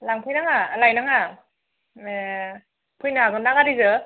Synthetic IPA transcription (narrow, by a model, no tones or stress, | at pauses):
laŋpʰɯjnaŋalajnaŋa | e | pʰɯjnaɡɔnaɡaɾizɯ